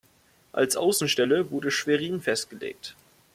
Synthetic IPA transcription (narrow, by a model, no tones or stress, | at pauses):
ʔa̰lsʔa̰ʊsn̩ʃtɛləvʊɐdəʃv̥eʁ̞iːnfɛst̚ɡ̥əlḛːk̚t